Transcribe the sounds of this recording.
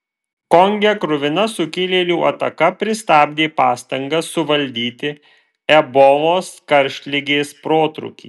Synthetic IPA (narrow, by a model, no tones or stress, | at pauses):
kɔŋʲɡʲɛkɾʊʋʲɪnɐsʊkʲɪlʲeːlʲuːʔɐ̰t̪ɐkɐpʲɾʲɪst̪ɑːbʲd̪ʲeːpɑːst̪ɐŋɡɐsːʊʋɐlʲd̪ʲiːt̪ʲɪ | ɛbɔʋoːskɐɾʲʃʲt̪ʲlʲɪɡʲeːspɾoːt̪ɾʊ̰kʲḭː